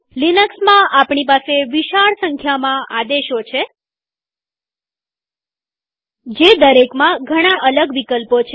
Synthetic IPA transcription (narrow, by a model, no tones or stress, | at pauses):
linəksmãʔapɳipaseʋiʃaɭsəŋkʰjamãʔad̪eʃot͡ʃʰe | d͡ʒed̪əɾekmãɡʱəɽ̃aʔələɡʋikəlpot͡ʃʰe